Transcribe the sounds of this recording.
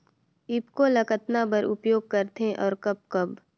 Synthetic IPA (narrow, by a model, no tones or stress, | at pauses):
ɪpkolɐkət̪nabəɾʊpjoːɡ̚kəɾt̪eʔɔːɾkɐb̚kɐb